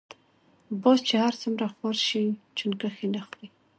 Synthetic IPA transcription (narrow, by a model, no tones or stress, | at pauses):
bɔst͡ʃehaɾt͡sumɾaxwaɾʃit͡ʃunkaxenaxli